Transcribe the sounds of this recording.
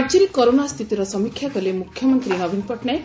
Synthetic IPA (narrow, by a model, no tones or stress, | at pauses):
ɡd͡ʒiɾikɔɾonast̪ʰit̪iɾɔsɔmikʰjakɔlemukʰːjɔmɔnt̪ɾinʌbʱinpɔʈnaj